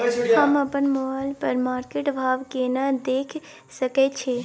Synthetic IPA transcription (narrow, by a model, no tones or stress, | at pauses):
ɦəmɐpənmoalpəɾmaːɾkeʈbʱaːʋkenad̪eːkʰ | səket͡ʃʰeː